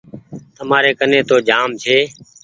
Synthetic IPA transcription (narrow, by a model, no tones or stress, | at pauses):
t̪əmaːɾeːkəneːt̪oːd͡ʒaːmt͡ʃʰeː